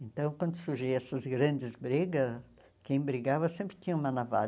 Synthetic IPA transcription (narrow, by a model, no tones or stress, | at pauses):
ẽnt̪ɐ̃w̃kwɐ̃nd̪ʊsuɾʒejɛsɐzɡɾɐ̃nd͡ʒɪzbɾeɡɐs | kẽj̃bɾiɡavɐsẽmpɾɪt̪ĩɲɐ̃ũmɐnava̰